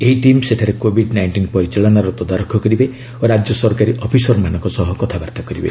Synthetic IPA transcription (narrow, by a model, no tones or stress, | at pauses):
eɦiʈimseʈʰaɾekobʱiɖnajɳʈinpɔɾit͡ʃelɔnaɾɔt̪ɔd̪aɾɔkʰːɔkɔɾibe | oɾad͡ʒjɔsɔɾkaɾiʔɔpʰisɔɾmanɔ̃ŋkɔsɔɦɔkɔt̪ʰabaɾt̪akɔɾibḛ